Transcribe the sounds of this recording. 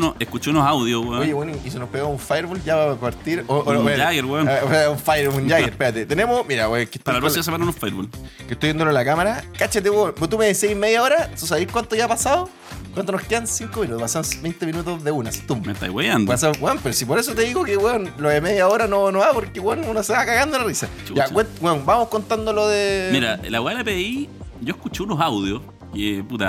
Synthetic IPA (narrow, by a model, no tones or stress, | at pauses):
noehkut͡ʃounoɦawðjoweojeweniʔisenopeɣaauɱfajɾβolʝapapaɾt̪iɾooeaɣeɾweonoseuɱfajɾund͡ʒaɣeɾpeɾat̪et̪ene̞momiɾaeke̥t̪alapɾoimas̬emananuɱfajɾβolket̪ojend̪ololakamaɾakat͡ʃet̪̬ewenpot̪umeðiseimeðjaoɾasos̬aβikwant̪oʝapasao | kwant̪onohkeðansiŋkominut̪opasanbejnt̪eminut̪oðeunasi̥t̪ummḛt̪a̰jwejand̪osaɡweonpeɾosipoɾes̬ot̪eðiɣokeweonloðemeðjaoɾanonoapoɾkewenunoseakaɣand̪olarisat͡ʃujawent̪wenbamohkont̪and̪oloðemiɾaḛlaweaelapeiʝoekut͡ʃeunosawðjos | keput̪a